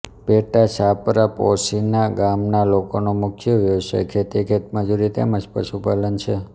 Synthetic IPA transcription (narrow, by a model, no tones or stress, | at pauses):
peʈaʃapɾaposinaɡamnalokonomʊkʰjoʋjəʋʃa̰jkʰet̪iekʰet̪məd͡ʒuɾit̪ḛməd͡ʒpə̰ʃupalənt͡ʃʰe